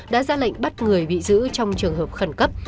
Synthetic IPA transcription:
ɗa̰ː˧˥zaː˧la̰˧˨jŋ̟ɓa˦˥t̚ŋɨ˨˩əjɓḭ˧˨zɨ̰˧˥t͡ɕɔ˧wŋ͡mt͡ɕɨ˨˩əŋɦəː˨˩p̚xə˨˩nkə˦˥p̚

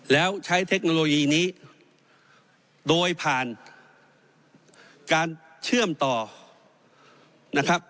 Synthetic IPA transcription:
lɛː˦˥wt͡ɕʰa˦˥jt̪ʰe˦˥k̚noː˧loː˧jiː˧niː˦˥ | doː˧jpʰaː˨˩n | kaː˧n | t͡ɕʰɯ˥˩əmt̪ɔː˨˩ | na˦˥kʰa˦˥p̚

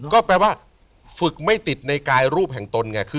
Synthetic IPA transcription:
kɔː˥˩plɛː˧waː˥˩ | fɯ˨˩k̚ma˥˩jt̪i˨˩t̪̚na˧jkaː˧jɾuː˥˩p̚ɦɛ˨˩ŋt̪o˧nŋa˧˩kʰɯː˧

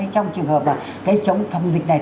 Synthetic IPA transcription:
ə˨˦t͡ɕɔ˧wŋ͡mt͡ɕɨ˨˩əŋhəː˨˩p̚laː˨˩ | kaː˨˦jt͡ɕə˨˦wŋ͡mfa˨˧˩wŋ͡mzï˨˩k̚ɗaː˨˩

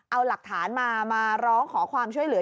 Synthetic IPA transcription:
ʔa˧wla˨˩k̚t̪ʰaː˩˦nmaː˧maː˧ɾɔː˦˥ŋkʰɔː˩˦kʰwaː˧mt͡ɕʰu˥˩əjlɯ˩˦

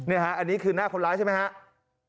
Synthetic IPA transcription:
ni˥˩ɐkʰa˦˥ʔa˧nːiː˦˥kʰɯː˧naː˥˩kʰo˧nlaː˦˥jt͡ɕʰa˥˩ma˦˥ha˦˥ʔ

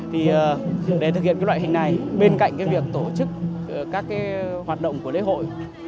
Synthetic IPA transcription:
t̪ʰi˨˩əː˨˩ɗe˧˩t̪ɨ˨k̬̚hḭ˧˨nkːjwa̰ː˧˨jɦï˨˩ŋ̟na˨˩jɓe˧nka̰˧˨ŋ̟kaː˨˦jvi˨˩ək̚t̪o˧˩t͡ɕɨ˦˥k̚ː | kaː˦˥kːaː˨˦jhwaː˨˩t̚ɗə̰˧˨wŋ͡mku˧˩əlḛ˧˥ɦo̰˧˨j

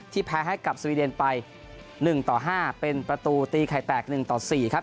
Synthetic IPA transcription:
t̪ʰiː˥˩pʰɛː˧ɦa˥˩jka˨˩p̚swiː˧de˧npa˧j | nɯ˨˩ŋt̪ɔː˨˩ɦaː˥˩pe˧npɾa˧t̪uː˧t̪iː˧kʰa˨˩jt̪ɛː˨˩k̚nɯ˨˩ŋt̪ɔː˨˩siː˨˩kʰa˦˥p̚

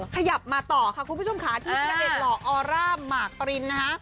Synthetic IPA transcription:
kʰa˧ja˨˩p̚maː˧t̪ɔː˨˩kʰa˧˥˩kʰu˧npʰu˦˥˩o˧mkʰaː˩˦t̪ʰiː˥˩t͡ɕa˧ʔe˨˩t̪̚lɔː˧ʔɔː˧ɾaː˥˩mːaː˨˩k̚ɾi˧nːa˦˥kʰa˦˥ʔ

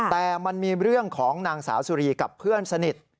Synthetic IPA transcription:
t̪ɛː˨˩ma˧nmiː˧ɾɯ˥˩əŋkʰɔː˩˦ŋnaː˧ŋsa̰ː˩˦wsu˧ɾiː˧ka˨˩pʰːɯ˥˩ənsa˧ni˨˩t̪̚

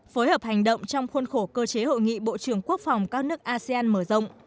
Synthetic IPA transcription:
foː˨˦jhəː˨˩p̚ha˨˩ŋ̟ɗə̰˧˨wŋ͡mt͡ɕɔ˧wŋ͡mxwə˧nxo˧˩kəː˧t͡ɕe˨˦ho̰˧˨jŋḭ˧˨ɓo̰˧˨t͡ɕɨ˧˩əŋku˦˥ək̚fa˨˩wŋ͡mkaː˦˥k̚nɨ˦˥ək̚ʔaː˧si˧aː˧nməː˧˩zə̰˧˨wŋ͡m

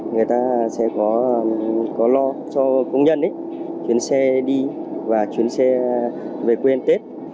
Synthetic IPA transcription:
ŋɨ˨˩əjt̪aː˧sɛ̰˧˨˥kɔ˨˦˧kɔ˨˦lɔ˧t͡ɕɔ˧kə˧wŋ͡mɲə̰˧˨nʔə˨˦j | t͡ɕwi˨˦ənsɛ˧ɗi˧vaː˨˩t͡ɕwi˨˦ənsɛ˧ | ve˨˩kwe˧nt̪e˦˥t̚

